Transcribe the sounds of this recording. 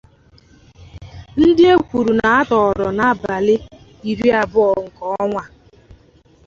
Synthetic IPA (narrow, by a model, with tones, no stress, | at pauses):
n̩˦dɪ˦e˦kʷu˨ɾu˨na˨a˦tɔ˨ɔ˨ɾɔ˨na˨˦ba˨lɪ˦ | i˨ɾi˦a˦bʊ˦ɔ˨ŋ̩˨kɔ˦ŋʷa˦